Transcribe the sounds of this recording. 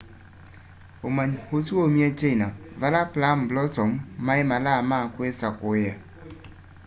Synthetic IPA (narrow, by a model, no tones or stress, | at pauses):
omaɲhosuomiat͡ʃeinavalaplamblɔsɔmːaɪmalamakwesakʊja